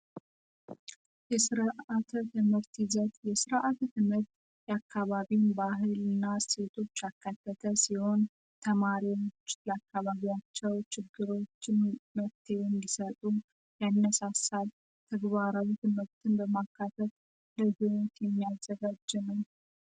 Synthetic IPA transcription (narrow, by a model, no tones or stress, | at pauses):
jɛsɨɾʔat̪ʰt̪ʰɨmɨɾt̪izət̪jɛsɨɾʔat̪t̪ʰɨmhɨɾt̪ | jɛakʰːaβaβinbaɦɨlɨnːase̞t̪ʰo̞t͡ʃːakʰːat̪ːət̪ʰəsiho̞n | t̪ʰəmaɾiwot͡ʃːləakʰːaβaβiat͡ʃːɛwt͡ʃɪɡːɨɾo̞t͡ʃːɪnməft̪ʰewɛnd̪isət̪ʼu | janːəsasal | t̪ʰəɡβaɾawit̪ʰɨmhɨɾt̪ʰɨnbəmakːat̪ʰət̪ | ləɡɨwot̪jɛmːijazəɡad͡ʒːɨnəw